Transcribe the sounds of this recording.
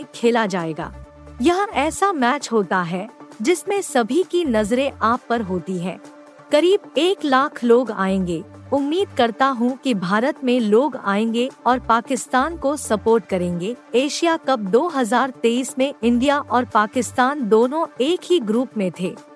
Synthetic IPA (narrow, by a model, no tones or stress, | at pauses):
kʰeːlad͡ʒaːeːɡa̰ː | jɐɦãɛːsamɛːt͡ʃɦoːt̪aɦɛd͡ʒɪsmẽsɐbʱikinɐzɾẽʔaːpːɐɾɦoːt̪iɦɛ̰̃ː | kɐɾiːbeːklaːkʰloːɡa̰ːẽːŋɡeːʊmːiːd̪̚kɐɾt̪aɦũkibʱaːɾət̪mẽloːɡa̰ːẽːŋɡeɔːɾpaːkɪst̪aːnkosɐpoːɾʈkɐɾẽːŋɡeeːʃijakɐp̚d̪oːɦɐzaːɾt̪eːiːsmẽʔɪ̃ɳɖijaʔɔːɾpaːkɪst̪aːnd̪oːnõeːkɦiɡɾuːpmẽt̪ʰeː